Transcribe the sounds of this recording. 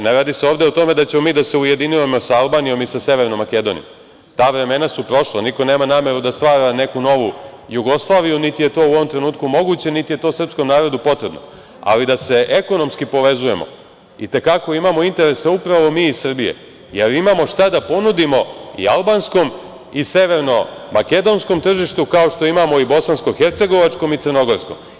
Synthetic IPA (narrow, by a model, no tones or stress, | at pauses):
neɾaːd̪iseoːʋd̪e̞ot̪o̞me̞d̪at͡ɕe̞mo̞miːd̪ase̞uje̞d̪iniemo̞saalˠbaːnijo̞misase̞ʋeɾnomːake̞d̪o̞nḭo̰m | t̪aːʋɾe̞me̞nasupɾo̞ʃlaniko̞ne̞ːmanaːme̞ɾud̪ast̪ʋaːɾane̞kuno̞ʋujuɡo̞slˠaːʋijunit̪ije̞t̪o̞ːuo̞ʋo̞mt̪ɾe̞nuːt̪kumo̞ɡut͡ɕe̞nit̪ije̞t̪o̞srpsko̞mnaːɾo̞d̪upo̞t̪ɾebno̰ | a̰lid̪ase̞ʔeko̞no̞mskipo̞ʋe̞zuje̞̰mo̞̰ | it̪e̞kako̞imaːmo̞int̪e̞ɾe̞seupɾaʋo̞miːisr̩bije̞̰ | jeɾimamo̞ʃt̪ad̪apo̞nud̪imo̞ḭalˠbansko̞m | ise̞ʋe̞ɾno̞make̞d̪o̞nsko̞mt̪r̩ʒiʃt̪ukao̞ʃt̪o̞imamo̞ibo̞sansko̞xeɾt̪se̞ɡo̞ʋat͡ʂko̞mit̪sərno̞ɡo̞ɾsko̞̰m